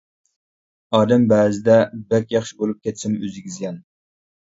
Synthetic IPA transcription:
ɑːd̪æmbæːzɪd̪ɛbɛkʲjɑχʃɪbolˠup̚kʲʰet̪sɪmyzɪɡʲizɡʲɛn

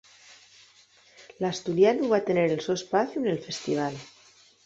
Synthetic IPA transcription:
last̪uljanuβat̪eneɾelsoespaθjunelfe̞st̪iβ̞al

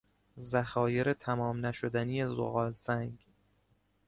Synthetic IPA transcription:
zæxɒːje̞ɾet̪ʰæmɒːmnæʃo̞d̪æniːjezo̰ɣɒːlzæŋɡ

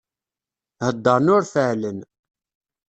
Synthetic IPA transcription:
həd̪ːəɾˤnʊɾfəʕlən

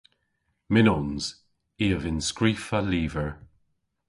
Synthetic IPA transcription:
mɪnɔnz̥ | iːəvɪnskɹiːfaliːvəɹ

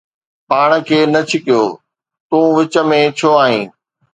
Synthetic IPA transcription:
paːɽ̃ə̆kʰeːnɐt͡ɕʰɪkijoː | t̪ũːʋɪt͡ɕə̆mẽt͡ɕʰoaːɦḭ̃ː

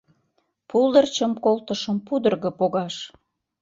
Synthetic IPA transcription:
pulˠd̪ərt͡ɕəmkolˠt̪əʃəmpud̪ərɣə̆poɣɑʃ

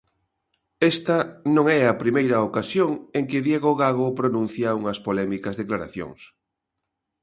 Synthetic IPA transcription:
ɛst̪ɐnõŋɛɐpɾimejɾɐokasjoŋeŋkɪðjeɣoɣaɣ̞opɾonũn̟θjauŋɐspolɛmikɐzðeklaɾa̰θjo̰ŋs

